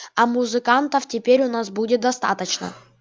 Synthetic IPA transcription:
ɐmʊzɨkant̪əftʲɪpʲeɾʲʊnasbudʲɪt̪̚d̪ɐst̪a̰t̪ət͡ɕnə̰

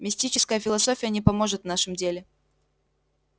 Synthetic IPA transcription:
mʲɪsʲtʲit͡ɕɪ̥skəjəfʲɪlˠɐso̞fʲɪjənʲɪpɐmo̞ʐɨt̪vnaʂɨmdʲelʲɪ

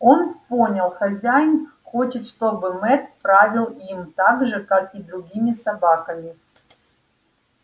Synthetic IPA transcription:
onpo̞nʲəlˠxɐzʲæjn | xo̞t͡ɕɪt̪ʂt̪o̞bɨmɛt̪pɾavʲɪlˠimt̪aɡʐɨkakid̪ɾʊɡʲimʲɪsɐbakəmʲɪ

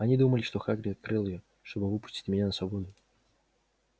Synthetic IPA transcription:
ɐnʲid̪uməlʲɪʂt̪o̞xaɡɾʲɪɐt̪̚kɾɨlˠɪjo | ʂt̪o̞bɨvɨpʊ̥sʲtʲɪ̥tʲmɪnʲanəsvɐbo̞d̪ʊ

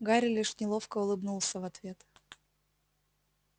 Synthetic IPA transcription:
ɡaɾʲɪlʲiʂnʲɪlˠofkəʊlˠɨbnulˠsʲəvɐt̪vʲe̞t̪

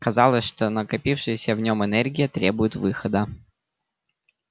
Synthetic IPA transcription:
kɐzɑlˠəsʲʂt̪onəkɐpʲifʂɨjəsʲəvnʲo̞mɨnɛrɡʲɪjət̪ɾʲebʊjɪt̪vɨxəd̪ə

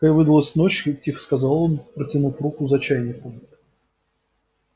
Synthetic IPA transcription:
kavɨd̪əlˠəsʲnot͡ɕtʲixskɐzɑlˠonpɾətʲɪnufrukʊzɐt͡ɕæjnʲɪkʊ

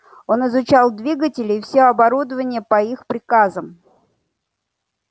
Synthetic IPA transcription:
o̞nɪzʊt͡ɕalˠd̪vʲiɡətʲɪlʲɪːfsʲeɐbɐɾud̪əvənʲɪjəpɐixpɾʲɪkazəm

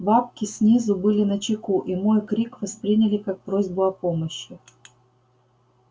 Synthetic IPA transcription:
bapkʲɪsʲnʲizʊbɨlʲɪnɐt͡ɕɪkuʔimojkɾʲikvɐspɾʲinʲɪlʲɪkak̚pɾozʲbʊɐpo̞məɕːɪ

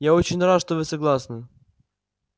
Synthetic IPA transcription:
jaot͡ɕɪnʲrat̪ʂt̪ovɨsɐɡlˠasnɨ

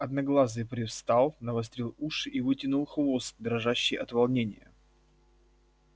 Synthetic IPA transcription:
ɐd̪nɐɡlˠazɨpɾʲɪfst̪ɑlˠnɐvɐst̪ɾʲilˠuʂɨʔivɨtʲɪnʊlˠxvo̞st̪̚d̪ɾɐʐaɕːɪjɐt̪vɐlˠnʲenʲɪjə̰

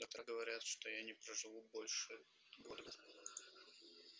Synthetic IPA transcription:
ɐkt̪ɾaɡəvɐɾʲat̪ʂt̪ojanʲɪpɾəʐɨvubo̞lʲʂɨ | ɡord̪ɐ

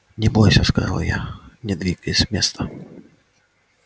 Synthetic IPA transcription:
nʲɛbɔjsʲɐska̰ʐɔ̰wja̰nʲɛd̪vʲikjsʲmʲɛst̪ɐ

